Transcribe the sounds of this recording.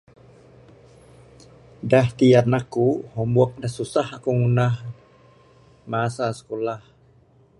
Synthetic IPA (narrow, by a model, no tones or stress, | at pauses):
daht̪iarnakuhɔmbuɔk̚dahsusahakuŋunah | masasə̥kolah